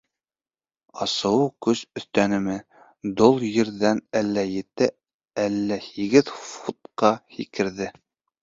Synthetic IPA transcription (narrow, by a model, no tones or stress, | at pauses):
ɑsɤ̆wukɵsɵ̆θt̪ænɘ̆mɘ | d̪olˠjɘ̆ɾðænælːæjɘ̆t̪ɘ | ælːæhiɡɘðfut̪̚qɑhikɘ̆ɾðɘ